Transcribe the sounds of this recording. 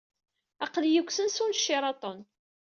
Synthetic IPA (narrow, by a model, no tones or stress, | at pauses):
ɑqljəkʷːsənsunʃːɪɾˤɑt̪ˤon